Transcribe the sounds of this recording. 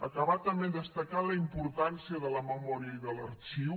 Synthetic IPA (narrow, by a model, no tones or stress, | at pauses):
əkəβat̪əmeðəst̪əkaləimpuɾt̪ansiəðələməmɔɾiəiðələɾt͡ʃiw